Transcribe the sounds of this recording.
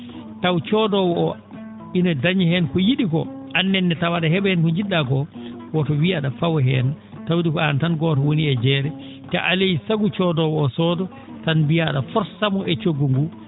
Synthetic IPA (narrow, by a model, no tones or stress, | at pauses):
tawt͡ʃɔdɔwɔɔ | inɔdaɲihɛnkɔjiɗikɔ̰ʔanːɛnːɛtawaɗaɦɛɓɛhɛnkɔɲd͡ʒiɗːakɔ | wɔtɔwiaɗafawɛɦɛn | tawdikɔantanɡɔtɔwoniɛd͡ʒɛɾɛ | ka̰ʔalejisaɡut͡ʃɔdɔwɔːsɔːdɔ | tanbijaɗafɔɾsamɔʔɛt͡ʃoɡːuŋɡu